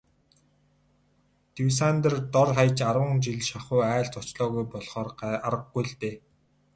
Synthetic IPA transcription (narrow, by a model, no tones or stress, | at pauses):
t̪iws̬ant̪ə̆rt̪ɔrχajt͡ɕaɾwə̆ŋt͡ɕiɮʃaχʊːæːɬt͡sʊt͡ɕɮɔːɣujpɔɮχɔːraɾə̆ɡɡujɮt̪eː